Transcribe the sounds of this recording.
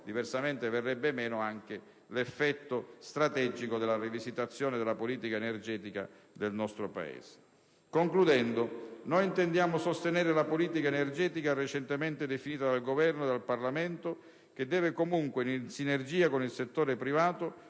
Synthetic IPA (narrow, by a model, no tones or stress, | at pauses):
d̪iversament̪everːɛbːemɛːnoaŋk̟e | lefːɛt̪ːost̪ɾat̪ɛd͡ʒikod̪elːarivizit̪at̪sːjɔːned̪elapoliːt̪ikaenerd͡ʒɛːt̪ika̰ | d̪elnɔst̪ɾopa̰ḛːse̥ | koŋklud̪ɛnd̪onojint̪end̪jaːmosost̪enɛːɾelapoliːt̪ikaenerd͡ʒɛːt̪ikaret͡ʃent̪emɛnt̪ed̪efiniːt̪ad̪alɡovɛrnod̪alparlamɛnt̪o | k̟ed̪ːɛːvekomuŋkweninsinerd͡ʒiːakonilset̪ːoːɾepɾivaːt̪o